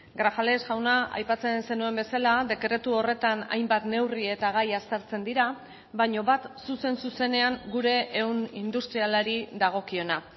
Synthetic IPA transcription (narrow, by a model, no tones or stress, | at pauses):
ɡɾafale̞sʝawnaʔa̰jpat͡se̞nse̞nue̞mbe̞salaðe̞kɾe̞t̪uo̞re̞t̪ana̰jmbat̪ne̞wrie̞t̪aɣ̞ajast̪eɾt͡se̞nd̪iɾa | βaɲo̞βat̪suse̞nsuse̞ne̞aŋɡuɾe̞ʔewnind̪ust̪ɾialaɾiðaɣ̞o̞kio̞na